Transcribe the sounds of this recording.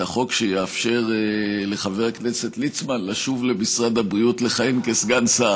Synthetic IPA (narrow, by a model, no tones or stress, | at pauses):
aχo̞kʃejeafʃe̞ʁleχave̞ʁakne̞se̞tlit͡smanlaʃuvle̞misʁad̪abʁiutle̞χaimkesɡansa